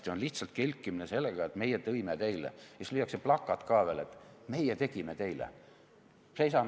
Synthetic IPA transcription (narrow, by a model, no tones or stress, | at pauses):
t̪ionliht̪sɑlt̪̚kelʲkːˑimineselːeɡ̥ɑet̪me̞jet̪ɤimet̪e̞jlḛjɑslyjɑkseplɑkːˑɑt̪kɑːʋelet̪me̞jet̪e̞ɡ̥imet̪e̞jlḛ | sejsɑ